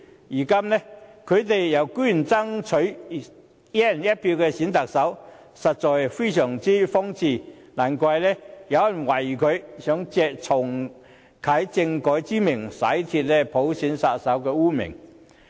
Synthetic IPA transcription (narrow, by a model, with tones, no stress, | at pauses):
jiː˨˩ka˥mnɛ˥kʰɵ˨˧ɥt̪e˨jjɐ˨˧wkyː˥˩nt͡sɐ˥ŋt͡sʰɵ˨˥ɥ | jɛ˥˨njɐ˥t̚pʰi˧wkɛː˧si˨˥nt̪a˨k̚sɐ˨˥w | sɐ˨t̚t͡sɔː˨jfe˥jsœː˨˩ŋt͡siː˥fɔ˥ŋt͡sʰiː˧˩ | naː˨˩nkʷɐ˧jlɛ˥jɐ˨˧wɐ˨˩nwɐ˨˩jkʰɵ˨˧ɥsœː˨˥ŋt͡sɛː˨˧k̚t͡sʰɔ˨˩ŋ | kʰaː˨˥jt͡sɪ˧ŋkɔː˨˥jt͡siː˥mɪ˨˩ŋsɐ̰˨˥jt̪ʰi˧t̚lɛ˥pʰo˨˥wsiː˨˥nsaː˧t̚sɐ˨˥wkɛː˧uː˥mɪ̰˨˩ŋ